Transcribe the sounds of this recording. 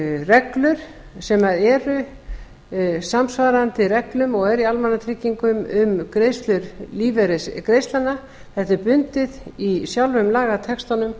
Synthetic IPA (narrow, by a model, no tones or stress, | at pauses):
rɛklʏɾ̥ | sɛmaðɛɾʏ | samsvaːɾant̪ɪrɛklʏmɔɣɛɾialmanːat̪ʰɾiːcːiŋkʏmʏmkɾejst̪lʏɾliːvɛɾɛskɾejst̪lanːa | θɛht̪ɪɾpʏnt̪ɪðisjawlvʏmlaːɣat̪ʰɛkst̪anʏm